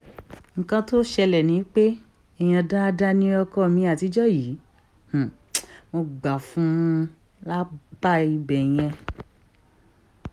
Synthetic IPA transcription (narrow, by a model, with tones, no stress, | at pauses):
ŋ̩˨kã˧to˦ʃɛ˧lɛ˨nĩ˨˦k͡pe˦ | ɛ˧˨j̃ã˧da˦˧da˦nĩ˦ɔ˧kɔ˦˧mĩ˧a˦˨ti˧˦d͡ʒɔ˦ji˨˦ | h̩˨ | mo˧ɡ͡ba˨fũ˦ | la˦b̥a˦i˧bɛ˨j̃ɛ̃˧